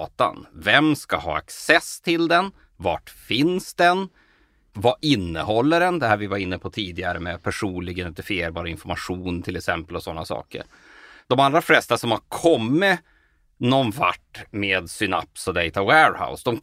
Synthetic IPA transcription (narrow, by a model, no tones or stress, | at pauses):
t̪a̰nvɛmskahɑ̰ːa̰ksɛst̪ʰɪld̪ɛn | vaʈfɪnsd̪ɛn | vaʔɪnːə̰hɔlːəɾɛnd̪ɛhæːɾvɪvaɾɪnːəpʰɔt̪ʰiːd̪ɪɡaɾəmɛpʰæʂuːnlɪɡənɛt̪əfɪeːɾbɑːɾaɪnfɔɾmaɧuːnt̪ʰɪlɛksɛmpəlɔsɔnːasɑ̰ːkə̰ɾ | d̪̥ɔmald̪ɾaflɛst̪asɔmhaɾkʰɔmːɪ | nɔnva̰ʈːmeːd̪sʏna̰pːsɔd̪ɛɪt̪awɛːɾha̰ʊsd̪ɔm